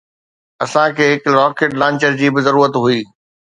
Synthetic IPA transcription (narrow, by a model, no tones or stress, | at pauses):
ɐsãkʰeːɦɪkɾɔːkeːʈlãːɲt͡ɕəɾd͡ʑiːbɪzɐɾuːɾət̪ɦuiː